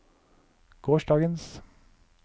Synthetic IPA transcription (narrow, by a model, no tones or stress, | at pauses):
ɡ̥oːʃɖɑːɡəns